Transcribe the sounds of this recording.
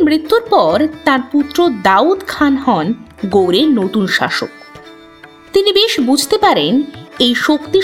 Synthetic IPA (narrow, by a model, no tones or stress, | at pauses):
mɾit̪ːuɾpɔɾt̪ãɾput̪ːɾod̪aud̪kʰanɦɔnɡowɾenot̪unʃa̰ʃo̰k | t̪inibeʃbud͡ʑʱt̪epaɾenejʃokt̪i